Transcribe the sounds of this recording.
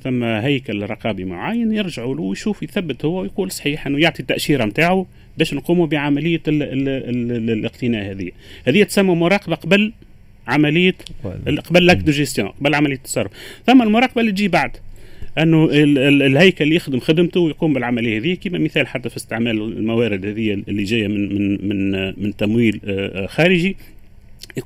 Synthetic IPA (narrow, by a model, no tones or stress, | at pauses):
θæmːæɦæjkælrˤːɑqɑːbimʊ̰ʕajːənjɪɾʒaʕuluwjʃuːfjθæbːət̪hʊwːæwjquːlsˤħiːħʔɪnːʊjʊʕt̪ˤit̪ːæʔʃiːɾɑmt̪aːʕu | bɛːʃnquːmubiʕamælɪjːæ | lʔɪqt̪ɪnæːʔhɛðɪ̰jːæhæðɪjːæt̪sæmːumʊɾˤɑːqɑbaqɑbal | ʕamælɪjːæqɑbælːækd̪iʒɪst̪jõ̰ːqɑbalːʕamælɪjːæt̪ːɑ̥sˤɑrˤːʊfθʊmːælmʊɾˤɑːq̚bælːit̪ʒiːbaʕd̪ʔænːuɪlhæjkælːijɪxd̪əmxɪd̪əmt̪uwjquːmbɪlʕamælɪjːhɛðɪjːækiːmæmɪθæːlħat̪ːæfist̪ɪʕmæːl̰lmæwæːɾɪd̪hæðɪjːæɪlːiʒæːjæmɪnmɪnmɪnt̪æmwiːlxæːɾɪʒi | j